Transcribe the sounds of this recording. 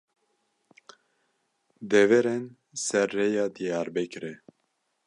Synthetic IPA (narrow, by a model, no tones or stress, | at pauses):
d̪ɛvɛɾɛn | sɛɾːejɑːd̪ijɑːɾbɛkɾɛ